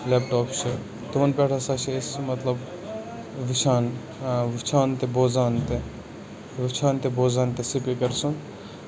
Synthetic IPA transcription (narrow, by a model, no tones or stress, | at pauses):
lep̚ʈoːpʰt͡ʃʰi | t̪uʋɐnpeʈʰasat͡ʃʰiesmɐt̪lɐb | ʋit͡ʃʰaːn | ʋit͡ʃʰaːnt̪eboːzaːnt̪e | ʋit͡ʃʰaːnt̪ebozaːnt̪esipikɐɾsun